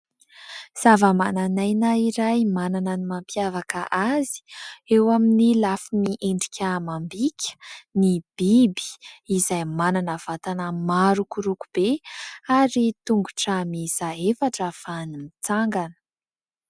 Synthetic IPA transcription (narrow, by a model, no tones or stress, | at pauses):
z̥avəmananajnaiɾajmananənimampjavakəʔazi̥ewaminilafimiʔeɳɖ͡ʐikʲəmambikʲʰə̥nib̥ibi̥izajmananəv̥at̪anəmaɾukuɾukub̥eaɾit̪uŋɡuʈ͡ʂamiz̥aefaʈ͡ʂəfanimit͡saŋɡanə̥